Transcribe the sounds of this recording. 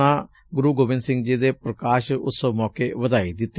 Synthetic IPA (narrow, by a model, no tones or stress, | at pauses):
ãː | ɡʊɾuːɡoːʋɪnsɪ̃ŋɡd͡ʒiːd̪eːpɾəkaːʃʊ̰səmɔːkeːʋəd̪aːiːd̪ɪt̪ː